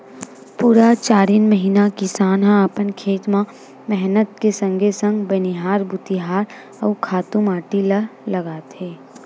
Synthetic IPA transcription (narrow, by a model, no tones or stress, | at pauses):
puːɾat͡ʃaːɾiːnməɦiːnakɪsaːnɦãəpənkʰeːt̪mã | mɛɦnət̪̚kesə̃ŋɡʱesə̃ŋɡbɐniɦaːɾbut̪iɦaːɾ | ɐːkʰaːt̪ũmaːʈilɐlɐɡaːt̪ɦeː